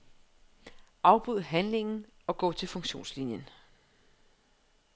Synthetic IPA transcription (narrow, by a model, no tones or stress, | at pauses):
ʔɑ̈ʊb̥uð̰ˠɐɦænle̝ŋn̩ɒ̽ɡ̥ɔ̰ːt͡sʰe̝lfɔ̽ŋɕo̝̰ːnslinjən